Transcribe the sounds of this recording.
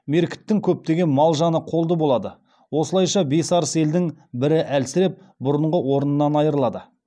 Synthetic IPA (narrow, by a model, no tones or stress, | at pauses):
me̞ɾkʲɪ̥t̪ːɪŋkʲʰɵp̚t̪e̞ɡʲe̞nmɑlˠʒɑnəqʰo̞lˠd̪əbo̞lˠɑd̪ə | wosəlˠɑjʃɑbe̞sɑɾəse̞ld̪ɪŋbɪɾɪʔælsɪɾe̞p̚ | bʊɾəɴʁəwo̞ɾənənːɑnɑjəɾəlˠɑd̪ə